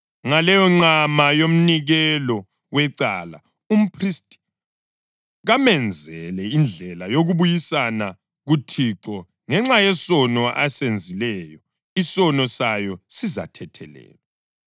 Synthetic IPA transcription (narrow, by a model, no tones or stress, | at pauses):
ŋalɛjɔŋ͡ǀamajom̩niɣɛlɔ | wɛǀaːla̰ | um̩pʰristʼ | ɣamɛnd͡zʱɛlɛind͡ɮʱɛlajoɣuβujisana | ɣutʰiǁɔ | ŋɛŋ͡ǁajɛsɔnɔʔasend͡zʱilɛjɔ | isɔnɔsajɔsiza̰tʰɛtʰɛ̰lɛ̰ːlɛ